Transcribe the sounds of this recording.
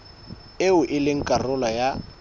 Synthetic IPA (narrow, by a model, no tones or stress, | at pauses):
eʊʔɪlɪŋ̩kʼarʊlaja